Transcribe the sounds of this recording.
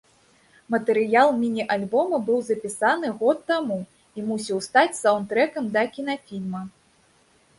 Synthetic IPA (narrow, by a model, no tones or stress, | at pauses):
mɐt̪ɛɾɨjalˠmʲinʲiʔalʲbɔmɐbɨwzɐpʲisanɨɣɔt̪ːamu | imusʲiwst̪at͡sʲsawnt̪ɾɛkɐmd̪ɐkʲin̪afʲilʲmɐ